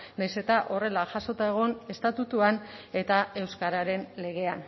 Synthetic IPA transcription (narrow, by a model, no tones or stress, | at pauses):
najse̞t̪aʔo̞re̞laʝaso̞t̪aeɣ̞o̞ne̞st̪at̪ut̪uane̞t̪ae̞wskaɾaɾe̞nle̞ɣe̞an